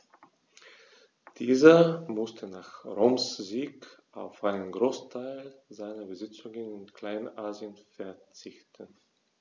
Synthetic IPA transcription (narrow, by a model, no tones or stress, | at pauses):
d̥iːzɐmʊstʰənaːχʁoːmsziːkʔa̰ʊfʔaɪnənɡʁoːstʰaɪlzaɪnɐbəzɪt͡sʊŋənɪnkl̥aɪnənʔaːziənfɛɐt͡sɪçtən